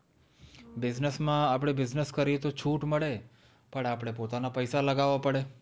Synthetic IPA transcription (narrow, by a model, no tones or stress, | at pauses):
bɪd͡ʒnəsmãapɽ̃ebɪznəskəɾit̪ot͡ʃʰuʈməɭe | pəɳapɽ̃epot̪anapəjsaləɡaʋapəɽe